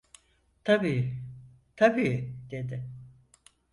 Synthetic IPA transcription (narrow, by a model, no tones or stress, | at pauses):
t̪ʰabiː | t̪ʰabiːd̪̥e̞d̪ɪ